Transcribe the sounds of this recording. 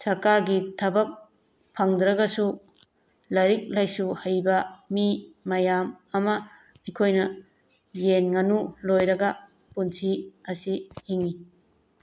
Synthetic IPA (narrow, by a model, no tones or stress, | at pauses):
sɐɾkaɾɡitʰɐbɐk̚ | pʰɐŋdɾɐɡɐsu | lɐɾik̚lajsuhajbɐmimɐjamɐmɐ | ɐjkʰojnɐ | jenŋɐnulojɾɐɡɐ | punsiɐsihiŋi